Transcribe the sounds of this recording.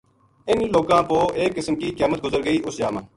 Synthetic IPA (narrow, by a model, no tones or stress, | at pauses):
ɪnloːkãːpoːʔeːkːɪsmkiːkeːmət̪̚ɡʊzəɾɡəiːʔʊsd͡ʒaːmãː